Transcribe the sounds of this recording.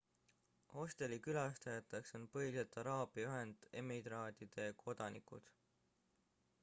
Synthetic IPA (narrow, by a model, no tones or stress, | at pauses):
ho̞st̪e̞likylɑst̪ɑjɑt̪ːˑekso̞npɤiset̪ːˑɑɾɑːb̥iɑyɦe̞nd̪̥e̞mid̪ɾɑːd̪̥id̪̥e̞kʰo̞d̪̥ɑnḭkṵd̪̥